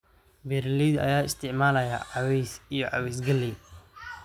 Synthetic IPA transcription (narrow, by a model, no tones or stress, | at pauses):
bɛɾlid̪ɐ̰jaːɪst̪ʰɪʕmaːlɐja̰ʕɑwɛjsijɞʕɑ̰wɛjsɡɐlːi